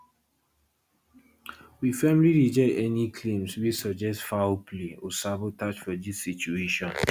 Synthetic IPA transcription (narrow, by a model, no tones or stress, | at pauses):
wifɛmliɹid͡ʒɔɪɛnikʰlẽmswisɔd͡ʒɛstfapleɔsabotat͡ʃfɔdisːit͡ʃueʃɔ̃n